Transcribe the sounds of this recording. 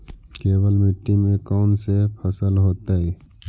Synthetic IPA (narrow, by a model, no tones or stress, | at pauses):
keːbəlmɪʈːimẽkɔːnsepʰəsəlɦoːt̪aɦɛ